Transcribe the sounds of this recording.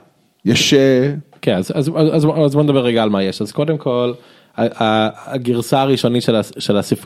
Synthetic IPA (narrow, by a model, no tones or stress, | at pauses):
jaʃekenazazazazozbond̪abeeɡaːlmajeʃazko̞demkʰo̞l | aaɡiʁsaːʁiʃo̞nitʃelaʃelasif